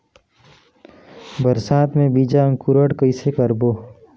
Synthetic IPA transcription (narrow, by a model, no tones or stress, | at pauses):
bəɾsaːt̪mẽbiːd͡ʒaə̃ŋkʊɾəɽkəisekəɾboː